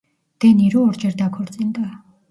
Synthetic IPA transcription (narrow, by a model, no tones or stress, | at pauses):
d̪̥ɛniɾuɔɾd͡ʒɛɾd̪akʰɔɾt͡sʼɛnt̪a